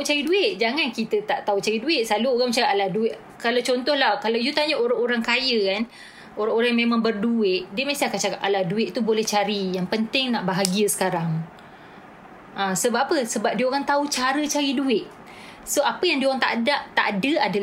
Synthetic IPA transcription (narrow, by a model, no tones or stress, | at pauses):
t̪aut͡ʃaɾiduɪʔd͡ʒaŋankit̪ət̪aʔt̪aut͡ʃaɾiduɪʔsaluoɣaŋt͡ʃaɾiʔalahduɪʔ | kalawt͡ʃɔnt̪ɔhlahkalawjut̪aɲaʔoɾaŋoɾaŋkajəkan | oɾaŋoɾajmemãŋbərduɪʔ̚diəmasiakat͡ʃakaʔaladuɪʔt̪ubolɛht͡ʃaɾijaŋpənt̪ɪŋnaʔbaɦaɡiəsə̥kaɾaŋ | ʔãsəbaapəsəbap̚diəoɾaŋt̪aut͡ʃaɾət͡ʃaɾiduɪʔ | soapəjaŋdiəoɣaŋt̪a̰ʔdaʔt̪a̰ʔadəadal